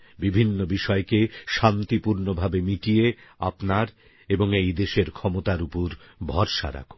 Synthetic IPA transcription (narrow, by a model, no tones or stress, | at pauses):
bibʱinːobiʃɔekeʃant̪ipuɾnobʱabemiʈiea̰pnaɾ | eboŋejd̪eʃeɾkʰɔmot̪aɾupoɾbʱɔɾʃa̰ɾa̰kʰo̥